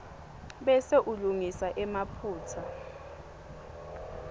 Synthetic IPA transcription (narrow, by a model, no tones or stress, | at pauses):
ɓɛseʔuluŋisaʔɛmapʰuːtʰa